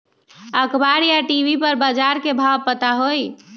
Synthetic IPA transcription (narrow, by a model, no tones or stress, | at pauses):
əkbaɾjaʈibʱipəɾbad͡ʒaɾkebʱawpət̪aɦoj